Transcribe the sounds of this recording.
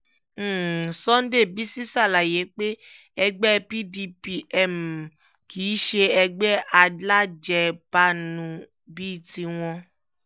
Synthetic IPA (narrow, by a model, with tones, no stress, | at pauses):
sɔ˦n̩˦de˦˨bi˦si˦sa˦˨la˨je˨˦k͡pe˦ | ɛ˧ɡ͡bɛ˦pi˦di˧pi˦ʔɛ˦˨m̩˨ | kʰiː˨˦ʃe˧ɛ˧ɡ͡bɛ˦ʔa˧dla˦d͡ʒɛ˧pa˦nũ˧ | bi˦˨ti˧w̃ɔ̃˧